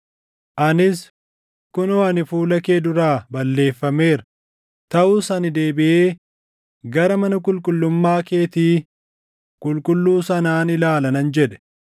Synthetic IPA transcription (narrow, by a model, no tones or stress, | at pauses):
ʔɐnɪs | kʊnɔɐnɪfuːlɐkeːd̪ʊɾaːbɐlːe̞ːfːɐme̞ːɾ | t̪ɐʔuːsɐnɪd̪e̞ːbɪʔeː | ɡɐɾɐmɐnɐk̬ʼʊlkʼʊlːʊmːaːke̞ːt̪iː | kʼʊlkʼʊlːuːsɐnaːnɪlaːlɐnɐnd͡ʒɛᶑɛ̥